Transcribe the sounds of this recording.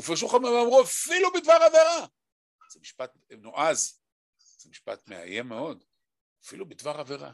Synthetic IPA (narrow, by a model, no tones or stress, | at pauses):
ufeʃ̬uχameamʁuafilubit̪vaʁaveʁa | z̥emiʃpat̪ | no̞ʔaz | z̥emiʃpa̰t̪mḛa̰jemːeo̞d̪ | afilubit̪vaχave̞ʁa̰